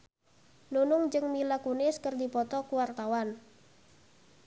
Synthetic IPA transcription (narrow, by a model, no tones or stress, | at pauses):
nunʊŋd͡ʒɨŋmilakunɪskərdipɔt̪ɔkuwart̪awan